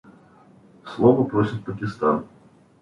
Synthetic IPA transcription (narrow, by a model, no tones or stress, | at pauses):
slˠɔvɐpɾɔsʲɪt̪̚ʲpɐkʲɪst̪a̰n